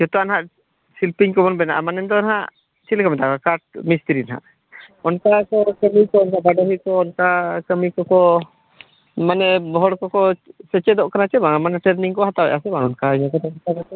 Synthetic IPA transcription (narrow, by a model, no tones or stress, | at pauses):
d͡ʒɔt̪ɔanɦaʔ | silpiŋkɔbɔnbɛnaʔamanɛnd̪ɔnɦaʔ | t͡ʃilkamɛt̪akɔkaʈ̚mist̪iɾinɦa̰ʔ | ɔnkakɔkəmikɔɔnkabaɖɔɦikɔːnkakəmikɔkɔ | manɛbɔɦɔɽkɔkɔsɛt͡ʃɛd̪ɔʔkanat͡ʃɛbaŋamanaʈɾɛɾniŋkɔɦat̪awɛ̰ʔʔasɛbaŋɔnkaiɲɔkɔt̪ɔt̪aa